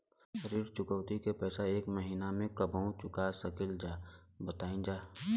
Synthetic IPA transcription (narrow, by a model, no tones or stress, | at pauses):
əɾiːɾt͡ʃʊkəʋt̪ikepɛːsaeːkməɦiːnamẽkəbʱəũt͡ʃʊkasəkɪld͡ʒaːbət̪aːĩd͡ʒaː